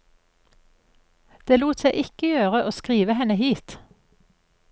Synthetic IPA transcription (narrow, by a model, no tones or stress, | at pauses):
d̪̥eːluːt̪seɪʔɪkəjøːʁəʔoːskʁiːʋəhɛnəhiːt̪